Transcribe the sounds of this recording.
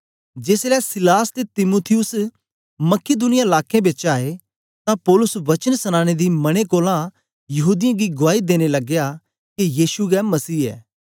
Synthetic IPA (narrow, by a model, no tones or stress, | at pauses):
d͡ʒeːslɛsɪlaːst̪et̪ɪmuːt̪ʰɪjʊs | mɐked̪unɪjaɪlaːkːẽbeːt͡ʃaːe | t̪ãpɔːlʊsʋɐt͡ʃənsɐñãːɽ̃ed̪imɐɽ̃ekoːlã | jɐɦuːd̪ɪjãɡiɡʊaːid̪eːñelɐɡja | kejiːsuɡɛmɐsiːɛ̰ː